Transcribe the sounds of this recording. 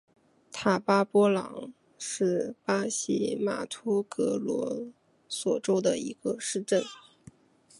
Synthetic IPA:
t̪ʰa˥˨˩pa˥pwɔ˥lɑ̰˧˥ŋ | ʂɻ̩˥˩pa˥ɕi˧˥ma̰˨˩t̪ʰu˥kɤ˧˥lwɔ̰˧˥ | swɔ˨˩ʈ͡ʂo˥ʊd̪ə˨ḭ˧˥ɡ̥ə˧ʂɻ̩˥˧ʈ͡ʂə˥˩n

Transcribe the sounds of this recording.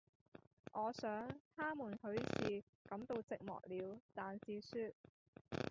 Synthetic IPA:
ʔɔː˨˧sœː˨˥ŋt̪ʰaː˥muː˨˩nhɵ˨˥ɥsiː˨ | kɐ˨˥mt̪o˧wt͡sɪ˨k̚mɔ̰ː˨k̚liː˨˧wt̪aː˨nsiː˧syː˧t̚

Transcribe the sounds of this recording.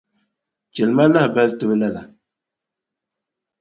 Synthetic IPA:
t͡ʃɛ˨lma˦la˦hba˦ltʊ˦bla˦la˨

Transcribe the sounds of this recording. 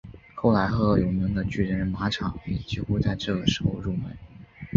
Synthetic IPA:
xo˥˩ʊla˧˥ɪxɤ˧˥jo˧˥ʊmi˧˥ŋd̪ə˧t͡ɕy˥˩ɻə˧˥ɻə˥ma˧˥ʈ͡ʂʰɑ˨˩˦ŋjɛ̰˨˩t͡ɕi˧˥xu˥t͡sa˥˧ɪʈ͡ʂɤ˥˩ɡə˩ʂɻ̩˧˥xo˥˧ʊɻu˥˩mə̰˧˥n

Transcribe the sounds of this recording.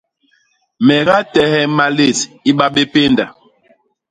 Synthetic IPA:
mɛ˨ɣa˦tɛ˨hɛ˦ma˨le˨si˦ɓa˦ɓe˦pe˦nda˨

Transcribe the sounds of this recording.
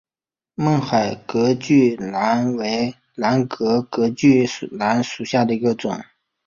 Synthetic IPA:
mə˥˩ŋxa˨˩ɪkɤ˧˥t͡ɕy˥˩la˧˥nwe˧˥ɪ | la˧˥nkɤ˧˥kɤ˧˥t͡ɕy˥˩˨la˧˥nʂu˨˩ɕja˥˩d̪ə˩i˧˥ɡə˧t͡sʊ̰˨˩˦ŋ

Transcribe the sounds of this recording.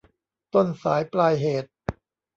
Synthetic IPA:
t̪o˥˩nsaː˩˦jplaː˧jɦeː˨˩t̪̚

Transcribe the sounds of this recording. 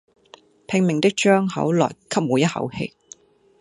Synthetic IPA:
pʰɪ˧ŋmɪ˨ŋt̪ɪ˥k̚t͡ʃœː˥ŋhɐ˨˥wlɔː˨˩jkʰɐ˥p̚muː˨˥jɐ˥t̚hɐ̰˨˥whḛ˧j

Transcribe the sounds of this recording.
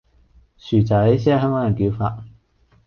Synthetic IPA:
syː˨˩t͡saː˨˥e˨˥sɛː˥˧˩ɦœː˥ŋkɔː˨˥ŋjɐ˨˩nkiː˨˥wfaː˧t̚

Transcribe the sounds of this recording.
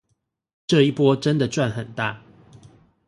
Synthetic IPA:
ʈ͡ʂɤ˥˨i˥˩pwɔ˦ʈ͡ʂə˦nd̪ə˨ʈ͡ʂwa˥˨nxə˨˩nt̪a˥˨

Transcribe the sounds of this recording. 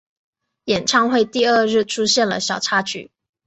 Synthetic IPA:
jɛ˨˩nʈ͡ʂʰɑ˥˧ŋxwe˥˧ɪt̪i˥˧ə˥˧ɻɻ̩˥˩ʈ͡ʂʰu˥ɕjɛ˥˩nlə̰˩ɕjɑ˨˩ʊʈ͡ʂʰa˥t͡ɕʰy̰˨˩˦

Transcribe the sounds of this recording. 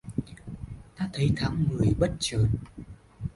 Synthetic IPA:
t̪aː˧˥t̪ʰə˨˦jt̪ʰaː˨˦ŋmɨ˨˩əjɓə˦˥t̚t͡ɕəː˨˩n

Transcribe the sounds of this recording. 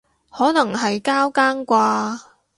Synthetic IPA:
hɔː˨˥nɐ˨˩ŋɦɐ˨jkaː˥wkaː˥nkʷaː˧

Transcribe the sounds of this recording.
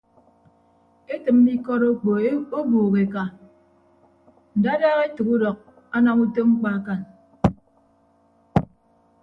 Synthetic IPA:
e˦tɨ˨m̩˦bi˦kɔ˦ɾo˦k͡po˨o˦buː˨ɣe˨ka˨ | n̩˨da˦daː˦ɣe˦tɨ˨ku˦dɔ˨k̚ | a˦na˦ŋu˦to˦ŋ͡m̩˦k͡pa˦ka˨n

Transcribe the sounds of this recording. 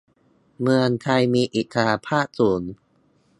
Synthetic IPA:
mɯ˧əŋt̪ʰa˧jmiː˧ʔiː˨˩kʰa˧ɾaː˧pʰaː˥˩t̪̚suː˩˦n

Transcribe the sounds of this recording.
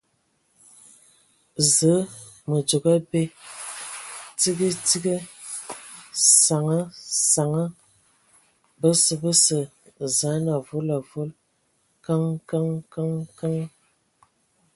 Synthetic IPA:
zə˨˦ | mə˨d͡ʒo˨ɡa˦be˦ | ti˦ɡə˦ti˦ɡə˦ | sa˨ŋə˦sa˨ŋə˦ | bə˦sə˨bə˦sə˨ | za˨˦na˨vu˦la˨vu˦l | ka˦ŋka˦ŋka˦ŋka˦ŋ˦

